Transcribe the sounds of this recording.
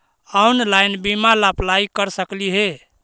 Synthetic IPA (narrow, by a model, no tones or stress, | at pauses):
aunlajnbimalaplaikəɾsəkliɦe